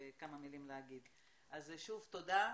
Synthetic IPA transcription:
kamamilimleaɡid̪ | ʔazeʃuvt̪o̞d̪a

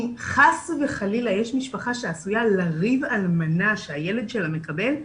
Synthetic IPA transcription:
χasveχalilajeʃmiʃpaχaʃeasujalaʁivalmanaʃeaje̞le̞d̪ʃe̞lamekabe̞l

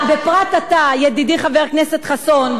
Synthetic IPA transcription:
bepʁat̪atajed̪idiχaveʁkneset̪χason

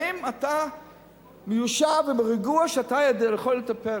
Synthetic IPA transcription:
imat̪a | mejuʃavemeʁiɡuaʃatajad̪eleχolet̪ape

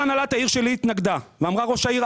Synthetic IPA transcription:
analat̪aiʁʃe̞liːt̪naɡd̪aveamʁaʁo̞ʃaiʁ

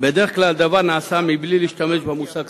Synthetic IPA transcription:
bɛd̪ɛχkʰlald̪ɐvanaːsamibliliʃt̪ɐmɛd͡ʒbamusak

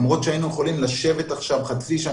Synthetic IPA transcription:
mʁo̞t̪ʃeainujeχolimlaʃe̞ve̞t̪aχʃavχat͡siʃa

